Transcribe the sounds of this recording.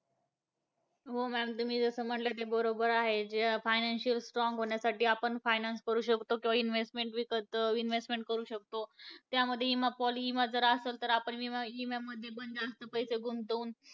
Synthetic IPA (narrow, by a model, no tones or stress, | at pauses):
ɦomɛmt̪umiːd͡zəsəːm̤əʈlət̪ebəɾobəɾaɦed͡ʑeafajnanɕiəlsʈɾɔŋɡɦoɳjasaʈiːapəɳfajnanskəɾuːɕəkt̪okĩʋainʋesʈmeɳʈʋikət̪inʋesʈmeɳʈ̚kəɾuːɕək̚t̪ot̪jaməd̪ʱːjeimapɔliimad͡zəɾaːselt̪əɾapəɳʋiimemːəd̪ʱːjebənd̪ast̪əpəjseɡʱunt̪əun